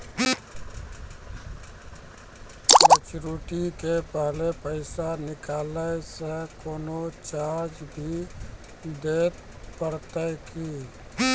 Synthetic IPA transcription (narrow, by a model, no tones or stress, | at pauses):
mət͡ʃɾuʈikepəɦlepəɪsanɪkaːləsẽkoːnot͡ʃaɾd͡ʒbʱi | d̪et̪pəɾt̪əɪki